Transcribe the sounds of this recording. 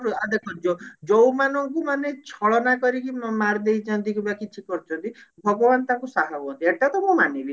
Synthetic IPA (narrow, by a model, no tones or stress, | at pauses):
ɾuad̪ekʰɔd͡ʒɔd͡ʒowmanɔŋkumanet͡ʃʰɔɭɔnakɔɾikimmaɾd̪ejd͡ʒʰãnt̪ikubakit͡ʃʰikɔɾt͡ʃʰɔnt̪ibʱɔɡɔbant̪ãŋkusaɦabɔnt̪ieʈat̪ɔmũmanibi